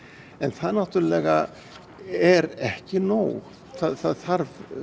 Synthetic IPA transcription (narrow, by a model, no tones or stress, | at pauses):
ɛnθaðnaht̪ʏɾlɛːɣa | ɛɾɛhcɪnoːw | θaðθaðθaɾv